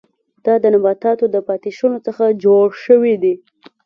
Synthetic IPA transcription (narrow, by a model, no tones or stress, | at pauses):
d̪̥ɑd̪ənabɑt̪ɑt̪od̪əpɑt̪iʃunot͡səxad͡ʒoɽʃəwid̪i